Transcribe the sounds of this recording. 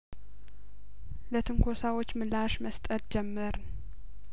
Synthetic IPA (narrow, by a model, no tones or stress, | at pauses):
lət̪ʰɨŋkʰo̞sawot͡ʃːmɨlːaʃməst̪ʼət̪d͡ʒɛmːɨɾ